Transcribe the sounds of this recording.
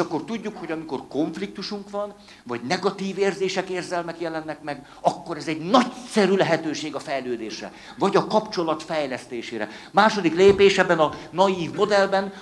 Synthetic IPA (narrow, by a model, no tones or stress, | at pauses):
ʃɒkːo̞rt̪uɟːukho̞ɟɒmiko̞rko̞ɱflik̚t̪uʃuŋkʋɒn | vɒɟnɛɡɒt̪iːveːrzeːʃɛkeːrzɛlmɛkjɛlɛnːɛkmɛɡ | ɒkːo̞ɾɛzɛɟnɒcsɛɾylɛɦɛt̪øːʃeːɡɒfɛjløːd̪eːʃrɛ̰ | vɒɟɒkɒpt͡ʃo̞lɒt̪fɛjlɛst̪eːʃeːɾɛ̰maːʃo̞d̪ikleːpeːʃɛbːɛnɒnɒjiːvmo̞d̪ɛlbɛn